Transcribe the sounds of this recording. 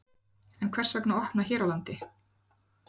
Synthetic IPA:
ɛnkʰvɛr̥svɛknaɔhpnaçɛːɾawlant̪ɪ

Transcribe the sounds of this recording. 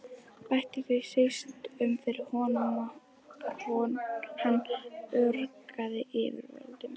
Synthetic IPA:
pajht̪ɪθisest̪ʏmfɪɾɪ̥hɔːnana | ɾhɔːnhanːœɾkaðɪʔɪːvɪ̰ɾvœ̰lt̪ɪm

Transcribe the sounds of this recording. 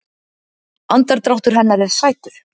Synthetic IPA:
ant̪aɾt̪ɾawht̪ʏɾ̥ɦɛnːaɾɛɾ̥saːjt̪ʏɾ̥

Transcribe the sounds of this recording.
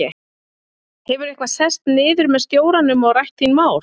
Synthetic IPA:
ɛ | hɛvʏɾehkvasɛst̪nɪːðʏɾmɛðst̪joːwɾanːʏmɔɣrajht̪inmaːwɾ

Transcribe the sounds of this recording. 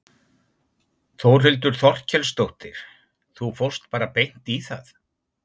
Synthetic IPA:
θowr̥ɪlt̪̬ʏɾ̥θɔr̥cʰɛlst̪owht̪ɪɾ̥ | θufowr̥st̪̚paːɾapejn̥t̪iθa̰θ

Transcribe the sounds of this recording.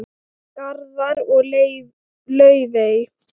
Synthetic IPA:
kaɾðaɾɔɣl | lœːɥvej

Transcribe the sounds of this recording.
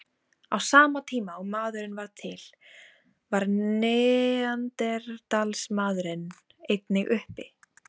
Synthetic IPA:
awsaːmat̪ʰiːmaumaːðʏɾɪnvaɾt̪ʰɪl̥ | vaɾnɛant̪ɛɾt̪alsmaːðɾɪn | ejt̪nɪɣʏhpɪ̰

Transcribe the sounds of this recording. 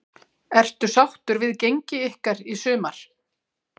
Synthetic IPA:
ɛr̥t̪ʏsawht̪ʏɾvɪðcejɲcɪɪhkaɾisʏːmaɾ̥

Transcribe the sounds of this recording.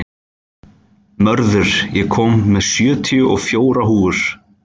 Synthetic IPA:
mœɾðʏɾ̥jɛkʰɔːmːɛðsjœːt̪ʰijʏʔɔɣfjoːwɾaɦuːʏɾ̥

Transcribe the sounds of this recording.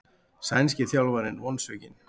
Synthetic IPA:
sajnscɪθjawlvaɾɪnvɔnsœcɪn

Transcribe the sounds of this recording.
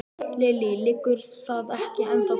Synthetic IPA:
lɪːlɪlɪkːʏɾθaðɛhcɪʔɛnt̪a

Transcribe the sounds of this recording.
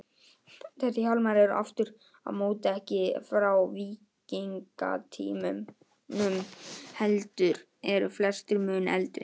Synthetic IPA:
θɛhθɪçalmaɾɛɾʏʔa̰ft̪ʏɾ̥ | a̰ðmoːwt̪aɛhcɪfɾawviːciŋka̰t̪ʰḭːmʏ | nʏmhɛlt̪ʏɾ | ɛɾʏflɛst̪ʏɾmʏːnɛ̰lt̪ɾɪ̰

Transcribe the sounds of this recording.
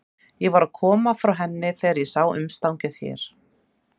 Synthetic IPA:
jɛɣvaɾaðkʰɔːmafɾawɦɛnːɪθejaɾjɛsaːwʏ̰mst̪awɲcʏð̥çɛ̰ɾ̥

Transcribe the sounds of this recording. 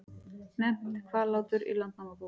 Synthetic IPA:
nɛm̥t̪kʰvaːɾlawt̪ʏɾḭlant̪namapu

